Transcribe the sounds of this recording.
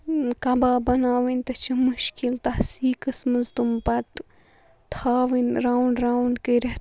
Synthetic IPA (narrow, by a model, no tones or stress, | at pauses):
kɐbaːbɐnaːʋinʲt̪ɐt͡ʃʰimuʃkilt̪ɐsiːkɐsmɐzt̪umpɐt̪ | t̪ʰaːʋinɾaːwɳɖɾaːwɳɖkeɾɐt̪